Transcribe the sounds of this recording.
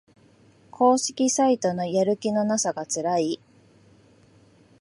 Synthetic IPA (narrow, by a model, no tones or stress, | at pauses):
kʰo̞ːɕi̥kʲisait̪o̞no̞jaɾɯ̟kʲino̞nasaɡat͡sɨɾai